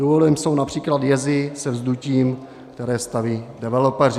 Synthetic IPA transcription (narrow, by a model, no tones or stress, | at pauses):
duvolɪmso̞wnapr̝̥iːkladjɛzɪsɛvzduciːm | kt̪ɛɾɛːst̪aviːdɛvɛlopɛr̝ɪ